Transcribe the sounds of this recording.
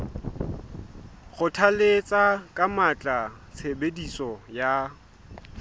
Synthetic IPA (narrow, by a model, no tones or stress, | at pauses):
χʊtʰalet͡sʼakʼamat͡ɬʼa | t͡sʰebedisɔja